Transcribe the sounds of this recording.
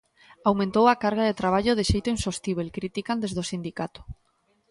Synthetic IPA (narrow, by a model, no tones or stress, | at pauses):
awmẽnt̪owakaɾɣaðet̪ɾaβ̞aʎʊðeʃejt̪ʊinsost̪iβ̞elkɾit̪ikand̪ezðosind̪ikat̪ʊ̥